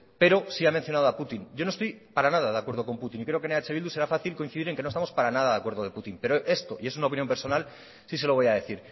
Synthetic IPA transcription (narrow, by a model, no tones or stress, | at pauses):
pe̞ɾo̞siamẽ̞n̟θjo̞naðoaput̪inɟ͡ʝonoest̪ojpaɾanaðaðakweɾð̞oko̞mput̪inikɾe̞oke̞neat͡ʃe̞βild̪use̞ɾafaθilkoinθiðiɾe̞ŋkenost̪amo̞spaɾanaðaðakwe̞ɾðoðe̞put̪impe̞ɾoʔe̞st̪o̞ʔiesunaopinjo̞mpe̞ɾso̞nal | sise̞lo̞βojað̞e̞θiɾ